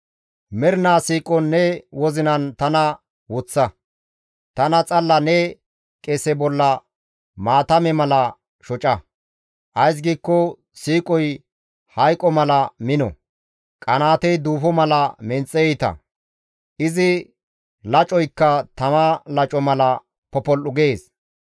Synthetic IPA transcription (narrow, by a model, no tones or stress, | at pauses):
mɛɾnaːsiːkʼɔnːɛwɔzɪnɐnt̪ɐnɐ | wɔt͡sːɐ | t̪ɐnɐt͡sʼɐlːɐnɛ | kʼɛsɛbɔlːɐ | maːt̪ɐmɛmɐlɐ | ʃɔt͡ʃʼɐ | ʔɐjs̬ɡiːkːɔ | siːkʼɔj | hɐjkʼːɔmɐlɐmɪnɔ̰ | kʼɐnaːt̪ɛjd̪uːfɔmɐlɐmɛnt͡sʼːɛjɛjt̪ɐ̰ | ʔɪzɪ | lɐt͡ʃʼɔjkːɐt̪ɐmalɐt͡ʃʼɔmɐlɐ | pɔpɔlʔʊɡeːs